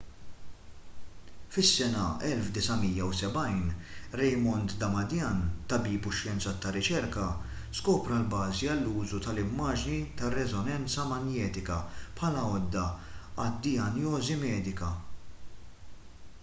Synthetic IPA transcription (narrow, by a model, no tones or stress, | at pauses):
fɪsːɛnɐɛlfd̪ɪsɐmijːɐwsɛbɐjnɾɛjmɔnt̪d̪ɐmɐd̪jɐnt̪ɐbiːpʊʃjɛnt͡sɐt̪ːɐrɪt͡ʃɛɾkɐ | skɔːpɾɐlbɐːziɐlːuːzut̪ɐlɪmːɐːd͡ʒnit̪ɐrɛzɔnɛnt͡sɐmɐnjɛːt̪ɪkɐpħɐlɐɔd̪ːɐɐd̪ːɪɐnjɔːzimɛːd̪ɪkɐ